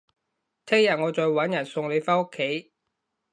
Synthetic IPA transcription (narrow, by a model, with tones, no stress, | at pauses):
t̪ʰɛ˥ŋjɐ˨˩ŋɔː˨˧t͡ʃɔː˨˧jwɐ˨˥njɐ˨˩nsʊ˧ŋle˨˧jfaː˥nʊ˥kʰːe˨˥j